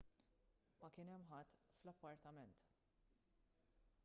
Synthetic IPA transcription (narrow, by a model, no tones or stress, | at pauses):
mɐkɪnɛmːħɐt̪ːflɐpːɐɾt̪ɐmɛnt̪